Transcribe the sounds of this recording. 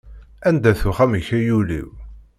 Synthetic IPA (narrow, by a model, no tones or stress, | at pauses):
ænd̪æθuχæməçæjulḭw